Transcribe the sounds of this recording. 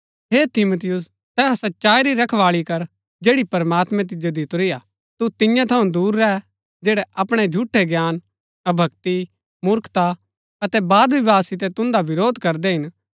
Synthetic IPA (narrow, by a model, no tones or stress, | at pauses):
ɦeːt̪ɪmut̪ʰɪjʊs | t̪ɛːɦasɐtːʃaːiɾiɾɐkʰʋaːɭikɐɾ | d͡ʒeːɽipɐɾmaːt̪mɛ̃t̪̬ɪd͡ʒod̪ɪt̪oɾija | t̪ut̪ɪ̃jãt̪ʰɐũd̪uːɾːɛ | d͡ʒeːɽɛʔɐpɽ̃ed͡ʒʱʊʈʰːeɡjaːn | ɐbʱɐkt̪i | mʊɾkt̪a | ɐt̪ɛbaːd̪ʋɪʋaːsɪt̪ɛt̪ʊ̃nd̪aʋɪɾoːd̪ʱkɐɾd̪ɛɦɪn